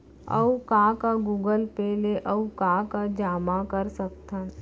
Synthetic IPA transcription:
ə̰ukaːkaɡuːɡəlpeːleʔəukaːkad͡ʒaːmakəɾsək̚t̪ʰən

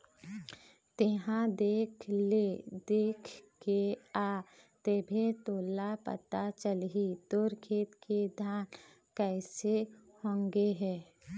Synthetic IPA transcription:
t̪eɦãd̪eːkʰled̪eːkʰkeaːt̪eːbʱet̪oːlapə̰t̪at͡ʃəlɦid̪oːɾkʰeːt̪ked̪ʱjaːn | kɛːsehõːŋɡeɦɛː

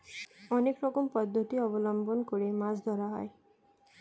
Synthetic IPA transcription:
ɔnekɾɔkɔmpɔd̪ʱːɔt̪iɔbɔlɔmbɔnɔkɔɾemasd̪ʱɔɾaɦɔ̰e

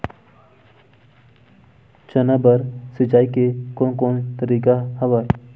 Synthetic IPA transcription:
t͡ʃənabəɾsɪd͡ʒaːikekoːnkõːnt̪əɾiːkahəʋa

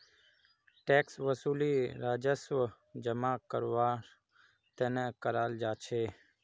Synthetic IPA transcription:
ʈeːksʋəsuːliːɾaːd͡ʒəsʋə | d͡ʒəmãːkəɾʋaːɾ | t̪eːneːkəɾaːld͡ʒaːt͡ʃʰeː

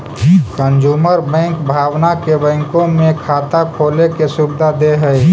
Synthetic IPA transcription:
kənd͡ʒuːməɾbɛ̃ːŋkbʱaːwnakebɛ̃ːŋkõmẽkʰaːt̪akʰoːlekesubɪd̪ʱad̪eɦɛ

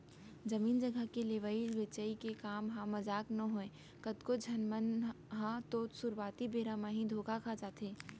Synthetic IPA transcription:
d͡ʒɐmiːnd͡ʒɐɡʱəkeleːʋaiʋɪt͡ʃəikekaːmɦãmɐd͡ʒaːknɐɦoːẽː | kət̪kod͡ʒʱɐnmən | ɦãt̪oːt̪sʊɾwaːt̪ibeːɾaːmãɦĩd̪ʱoːkʰakʰad͡ʒaːt̪eː

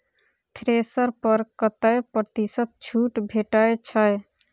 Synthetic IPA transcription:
t̪ʰɾesəɾpəɾkət̪əjpɾət̪isət̪̚t͡ʃʰuʈbʱeʈəjt͡ʃʰəj

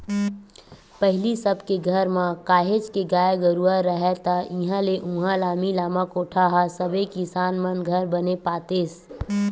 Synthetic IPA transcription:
pəɦɪlisəbkeɡʱəɾmãkaːɦed͡ʒkeɡaːjɡəɾuəɾəɦɛt̪aɪɦãleʔũɦãlaːmilaːməkoːʈʰaɦasəbekɪsaːnmənɡʱəɾbənepaːt̪eːs

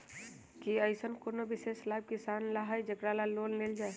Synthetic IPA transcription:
kiəɪsənkonobɪseslaːb̚kisaːnlaɦaːid͡ʒəɡɾalaloːlleːld͡ʒaːe

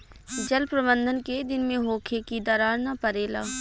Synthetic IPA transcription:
d͡ʒəlpɾəbə̃nd̪ʱənked̪ɪnmẽɦoːkʰekid̪aːɾaːɾnapəɾeːla̰ː

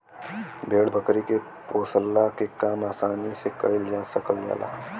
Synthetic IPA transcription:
bʱeːɽbəkɾike | poːsəlːakekaːmaːsaːnisekɐɪld͡ʒaːsəkəld͡ʒa̰ːla̰ː

